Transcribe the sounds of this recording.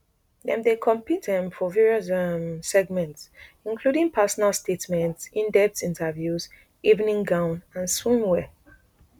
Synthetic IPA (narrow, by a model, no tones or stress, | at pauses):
ðɛ̰̃mdekʰɔ̃mpit̚dɛ̃mfɔvɛɹiɔsmsɛɡmɛ̃nts | ĩnkʰludĩŋpʰɛsɔnalˠstetmɛ̃ntsĩndɛp̚tĩntʰəvjuz | ivnĩŋɡãʊ̃nãnswĩmwɛ